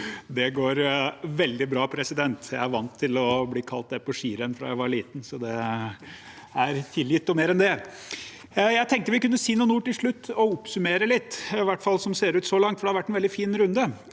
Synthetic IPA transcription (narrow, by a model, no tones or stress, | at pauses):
d̪ɛɡoːɾʋɛld̪ɪbɾɑːpʰɾɛsɪd̪ɛnt̪jæɪæɾʋɑnt̪ʰːɪlɔbliːkʰɑlt̪̚d̪ɛpʰɔʂiːɾənfɾɑ̰ːjæɪʋɑɾɭiːt̪n̩sɔd̪ɛ | æɾt̪ʰɪljɪt̪ːɔmeːɾɛnd̪ɛ | jæɪt̪ʰɛŋk̚t̪əʋɪkʉnːəsiːnuːnuːʈɪlʂɭʉt̪ːɔʊpsʉmeːɾəlɪt̪ːɪʋæʈːfɑlːsɔmseːɾʉːt̪sɔlɑŋt̪fɔɖɛhɑɾʋæʈːɛnʋɛld̪ɪfiːnɾʉnd̪ə